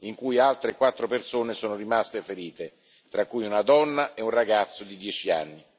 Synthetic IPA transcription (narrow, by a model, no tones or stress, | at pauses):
iŋkujalt̪ɾekwat̪ːɾopersoːnesoːnoɾimast̪efeɾiːt̪e | t̪ɾakːujunad̪ɔnːaʔɛunraɡat̪sːod̪id̪jɛːt͡ʃia̰nːi